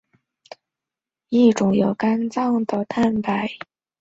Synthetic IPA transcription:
i˥˩ʈ͡ʂʊ˨˥ŋjo˨˩ʊka˥nt͡sɑ˥˩ŋd̪ə˨˩t̪ʰa˥˩npa˨˩˦ɪ

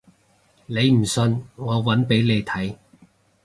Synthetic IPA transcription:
ne˨˧jm̩˨˩sɵ˧nŋɔː˨˧wɐ˨˥npe˨˥jle˨˧jt̪ʰɐ˨˥j

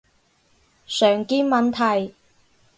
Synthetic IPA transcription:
sœː˨˩ŋkiː˥nmɐ˨˧nt̪ʰɐ˨˩j

